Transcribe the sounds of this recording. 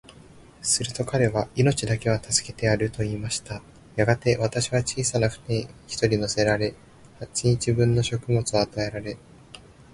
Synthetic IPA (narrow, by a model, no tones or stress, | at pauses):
sɨɾɯ̟t̪o̞kʰaɾe̞βaino̞t͡ɕid̪ake̞β̞at̪ʰasɨ̥ke̞̥t̪e̞aɾɯ̟t̪o̞iːmaɕi̥t̪a | jaɡat̪e̞βat̪aɕiβ̞at͡ɕiːsanaɸɯ̟̥neçi̥t̪o̞ɾʲino̞se̞ɾaɾe̞ | hat͡ɕiɲ̟it͡ɕibɯ̟̃nːo̞ɕo̞kɯ̟mo̞t͡sɨːt̪ae̞ɾaɾe̞